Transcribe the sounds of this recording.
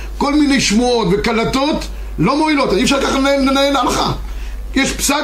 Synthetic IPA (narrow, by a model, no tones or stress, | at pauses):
ko̞lminejʃmuot̪vekalat̪o̞t̪ | lo̞moilo̞t̪aniɛfʃaʁkaχaelenaenalaχa | jɛʃpsa